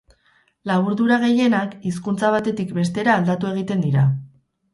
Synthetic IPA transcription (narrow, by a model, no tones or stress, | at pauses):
laβuɾðuɾaɣ̞e̞je̞nakis̬kunt͡saβ̞at̪e̞t̪ikbe̞st̪e̞ɾaːld̪at̪ue̞ɣ̞it̪e̞nd̪iɾa